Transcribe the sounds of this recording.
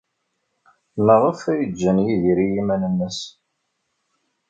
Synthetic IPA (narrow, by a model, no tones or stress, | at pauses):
məʁˤəfæjəd͡ʒːənjiðiɾijimænənːəs